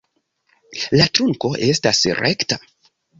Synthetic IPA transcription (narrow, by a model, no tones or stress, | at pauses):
latɾuŋko̞ʔe̞stasɾʔekta